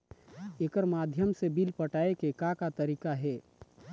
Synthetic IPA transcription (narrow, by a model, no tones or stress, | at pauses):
eːkəɾmaːd̪ʱjəmsebilpəʈaːekekakat̪əɾiːkaɦɛː